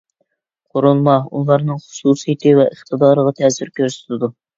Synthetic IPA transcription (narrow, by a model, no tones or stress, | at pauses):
qʰoɾulˠmɑṵlˠɑɾnɨŋχʊ̥suːsijit̪ʰɨvɛʔəχt̪əd̪ɑːɾəʁɑt̪ʰɛsyɾkʲʰøɾsɪ̥t̪ʰɪd̪u